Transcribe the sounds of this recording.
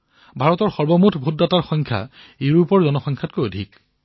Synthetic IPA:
bʱaɹɔtɔɹxɔɹbɔmutʰbʱudːataɹxɔŋkʰa̰ | eɹupɔɹzɔnɔxɔŋkʰat̚kojodʱik

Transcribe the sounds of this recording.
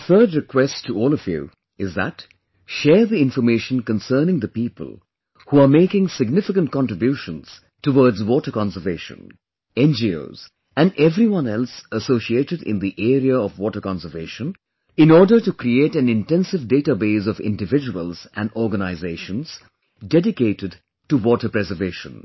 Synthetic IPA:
əθɜ˞dɹɪkwɛstʰuɔːlɔvjṵ | ɪzðæ̰t | ʃɛːɹðiɪ̃ɱfəmeɪʃə̃n̩kə̃nsɜːnɪ̃ŋd̪əpipə̰l̩ˠ | huameɪkɪ̃ŋsɪɡnɪfɪkə̃nt̚kɑ̃ntɹɨbjuːʃə̃nz̥ | təwɔɹdzwɔːtə˞kɑ̃nsə˞veɪʃə̰̃n | ɛ̃nd͡ʒio̰ʊz̥ | æ̃nɛvɾiwʌ̃nɛlˠsəsosieːɾɨdɪ̰̃nd̪iʔeːɾiaɔvwɔtəkɑ̃nsə˞veːʃə̃n | ɪ̃nɔːɹdə˞ʈukɾieːtæ̃nɪ̃ntɛ̃nsɪvdeɪtabeɪzɔvɪ̰̃ndɨvɪd͡ʒəwə̰lˠzæ̃ndɔːɾɡənaɪzeɪʃə̃nz̥ | dɛdɪkeɪtɪd | tuwɔːtə˞pɾɛzə˞veːʃə̰̃n

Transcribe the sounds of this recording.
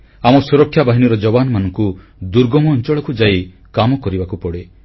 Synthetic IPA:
amɔsuɾɔkʰːjabaɦiniɾɔd͡ʒɔbanɔmanɔŋku | d̪uɾɡɔmɔːnt͡ʃɔɭɔkud͡ʒai | kamɔkɔɾibakupɔɽe

